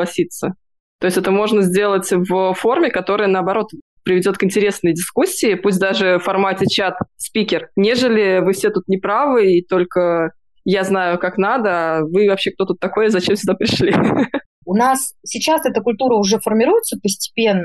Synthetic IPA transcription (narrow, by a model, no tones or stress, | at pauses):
ɐsʲit̪sə | t̪o̞ɪsʲtʲɛt̪əmo̞ʐnəzʲdʲe̞lˠətʲvəfo̞rmʲɪkɐt̪o̞ɾɨjənəɐbɐɾo̞t̪ | pɾʲɪvʲɪdʲot̪kɨnʲtʲɪɾʲe̞snəjdʲɪskusʲːɪːpusʲt̬̚ʲd̪aʐɨfɐrmatʲɪt͡ɕat̪spʲikʲɪrnʲe̞ʐɨlʲɪvɨfsʲet̪ut̪nʲɪpɾavɨit̪o̞lʲkə | jaznajʊkaknad̪əavɨvɐpɕːekt̪o̞t̪ut̪ːɐko̞jəzɐt͡ɕemsʲʊd̪apɾʲɪʂlʲi | ʊnassʲɪt͡ɕasɛt̪əkʊlʲt̪uɾəʊʐɛfərmʲɪɾujɪt̪səpəsʲtʲɪ̥pʲe̞nːə